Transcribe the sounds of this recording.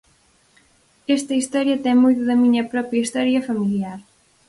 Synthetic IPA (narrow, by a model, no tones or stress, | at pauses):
ɛst̪ɐist̪ɔɾjɐt̪ɛŋmojt̪ʊðɐmiɲɐpɾɔpɾjɐist̪ɔɾjɐfɐmiljaɾ